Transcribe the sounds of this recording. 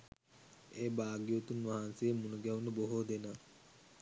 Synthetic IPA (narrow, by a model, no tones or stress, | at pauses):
eːbaːɡijut̪unʋaɦansejəmunuɡɛʋunəboɦod̪ena